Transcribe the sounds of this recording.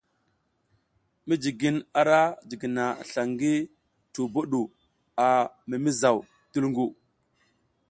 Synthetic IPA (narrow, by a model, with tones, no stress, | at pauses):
mi˦d͡ʒi˨ɡi˦na˨ɾa˦d͡ʒi˨ɡi˨na˨ɬa˨ŋɡi˦ | tu˨bo˦ɗu˨ | a˨ | mi˨mi˦za˨w | tu˦lŋɡu˦˨